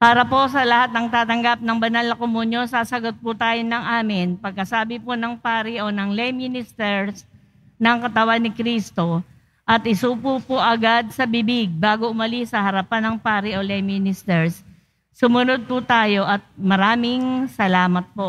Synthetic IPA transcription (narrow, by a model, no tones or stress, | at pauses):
paːɾɐpo̞ʔsɐlɐhat̪̚nɐŋt̪aːt̪ɐŋɡap̚nɐŋbɐnalnɐkomunjosaːsɐɡot̪̚pʊt̪aːjonɐŋʔaːmɪnpɐɡ̚kɐsaːbɪponɐŋpaːɾiʔo̞nɐŋlɛjminɪst̪ɛɹs | nɐŋkɐt̪ɐwanːɪkɾiːst̪o̞ | ʔɐt̪ɪsuːpupoʔɐɡad̪̚sɐbɪbɪɡ̚baːɡo̞ʔʊmɐlisɐhɐɾɐpanɐŋpaːɾiolɛjmɪnɪst̪ɛɹsː | ʊmʊnod̪̚pʊt̪aːjo̞ʔɐt̪̚mɐɾaːmɪŋsɐlaːmɐt̪̚po̞